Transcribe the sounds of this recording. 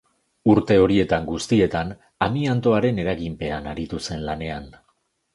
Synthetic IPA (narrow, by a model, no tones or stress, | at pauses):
uɾt̪e̞o̞ɾie̞t̪aŋɡust̪ie̞t̪an | amiant̪o̞aɾe̞ne̞ɾaɣimpe̞anaɾit̪use̞nlane̞an